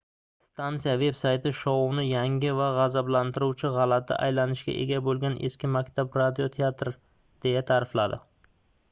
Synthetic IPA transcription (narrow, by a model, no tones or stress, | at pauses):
st̪ʰant̪sijave̞bsajt̪ʰɪʃɒwʊnɪjaŋʲɪvaʁazablant̪ɪɾuwt͡ʃʰɪʁɑlat̪ʰɪ̰ʔa̰jlanɪʃɡʲa̰ʔe̞̰ɡʲabolˠɡʲanʔeskʲɪmakʲt̪ʰabɾad̪iot̪ʰeat̪ɾ | d̪̥e̞jat̪ʰaɾɪflad̪ɪ̰